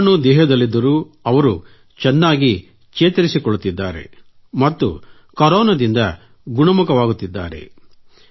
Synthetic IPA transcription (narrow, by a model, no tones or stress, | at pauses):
nud̪ɛːɦɐd̪ɐlːid̪ːɐɾuːɐʋɐɾu | t͡ʃɛnːaːɡi | t͡ʃeːt̪ɐɾisikɔɭut̪ːid̪ːaːɾe̞̰ | mɐt̪ːṵ | kɐɾɔːnɐd̪ind̪ɐ | ɡuɳɐmukɐʋaːɡut̪ːid̪ːa̰ːɾe̞̰